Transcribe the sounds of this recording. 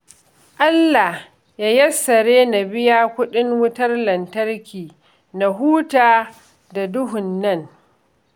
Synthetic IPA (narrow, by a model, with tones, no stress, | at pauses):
ʔa˦lːa˨h | jaː˦jɐ˦sːɐ˨ɽeː˦na˨bɪ˦jaː˦kʷʊ˦ɗɪ˦ŋwʊ˦tɐ˦rlɐ˨ntɐ˦rkʲiː˨ | na˨ɦuː˦taː˨ | da˨dʊ˦ɦʊ˨nːɐ˦ŋ